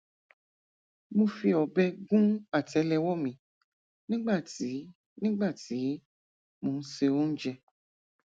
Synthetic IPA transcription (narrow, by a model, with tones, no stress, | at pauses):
mũ˧fi˧ɔ˨bɛ˦ɡũ˦a˨tɛ˨˦lɛ˨wɔ˦mĩ˨ | nĩ˦ɡ͡ba˦˨ti˨˦ | nĩ˦ɡ͡ba˦˨ti˨˦ | mũ˨n̩˦se˧wo˦ñ̩˦d͡ʒɛ˧